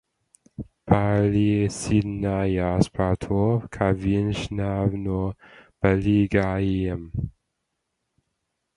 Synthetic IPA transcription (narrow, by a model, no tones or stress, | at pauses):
pʰalisidnajaspʰatʰokʰavinʃnavnob̥aliɡajiəm